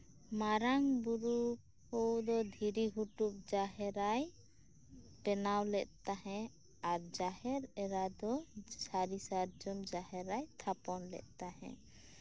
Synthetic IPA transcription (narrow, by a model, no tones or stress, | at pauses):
maɾaŋbuɾu | hɔwd̪ɔd̪ʱiɾiɦuʈup̚d͡ʒaɦɛɾaj | ʈɛnawlɛʔ̪̚ˀt̪aɦɛ̃ | aɾd͡ʒahɛɾɛɾad̪ɔsaɾisaɾd͡ʒɔmd͡ʒaɦɛɾajt̪ʰapɔnlɛ̰ʔ̪̚ˀt̪aɦɛ̰̃